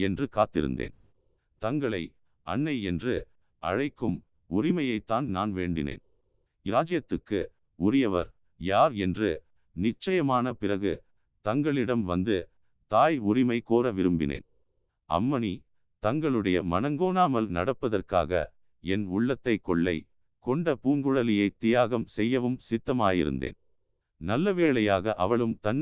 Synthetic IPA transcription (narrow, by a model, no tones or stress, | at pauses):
ɛndrɯkaːt̪ːɪ̰ɾɯ̰nd̪ḛːn | t̪ɐŋɡɐɭɐɪ | ɐ̰ɳːɐɪɛndrɯ | ɐ̰ɻɐɪkːɯm | ʊɾɪmɐjɐɪt̪ːaːnnaːnʋeːɳɖɪ̰nḛːn | ɪɾaːd͡ʒɐjɐt̪ːɯkːɯ | ʊɾɪjɐʋɐ̰ɾ | jaːɾɛndrɯ | nɪt͡ʃːɐjɐmaːnɐpɪrɐɣɯ | t̪ɐŋɡɐɭɪɽɐmʋɐnd̪ɯ | t̪aːjʊɾɪmɐɪkoːɾɐʋɪɾɯmbɪ̰nḛːn | ʔɐ̰mːɐni | t̪ɐŋɡɐɭɯɽɐjɐ̰mɐnɐŋɡoːnaːmɐlnɐ̰ɽɐpːɐðɐrka̰ːɣɐ̰ | ɛnʊɭːɐt̪ːɐɪkːɔɭːɐ̰ɪ | kɔɳɖɐpuːŋɡɯɻɐlɪjɐɪt̪ːɪjaːɣɐmsɛjːɐʋɯmsɪt̪ːɐmaːjɪ̰ɾɯ̰nd̪ḛːn | nɐlːɐʋeːɭɐjaːɣɐʔɐ̰ʋɐɭɯmt̪ɐnː